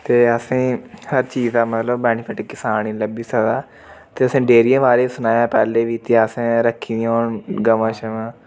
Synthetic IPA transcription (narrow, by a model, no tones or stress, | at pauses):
t̪eːəsĩːhəɾt͡ʃiːzd̪aːmət̪ləbːɛːnɪpʰɪʈɪkːɪsaːnĩːləbiːsəd̪aː | t̪eːəsĩːɖeːɾijãːʋaːɾeːsʊnaːjãːpɛːleːʋiːt̪aːəsẽːɾəkʰːiːd̪ĩoːɳɡəʋãːʃəʋãː